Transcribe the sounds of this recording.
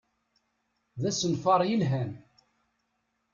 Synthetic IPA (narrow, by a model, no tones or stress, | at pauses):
ðæsənfɑɾˤjəlɦæn